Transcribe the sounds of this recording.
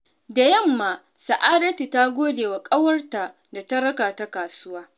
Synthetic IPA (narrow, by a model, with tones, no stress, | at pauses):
da˨jɐ˦˨mːaː˨ | sɐ˨ʔaː˦dɐ˦ti˨ta˦ɡʷoː˦deː˨wa˨kʼɐ˦wɐ˦rta˨ | da˨tɐ˦ɾɐ˦kaː˨ta˦kaː˨sʊ˦waː˦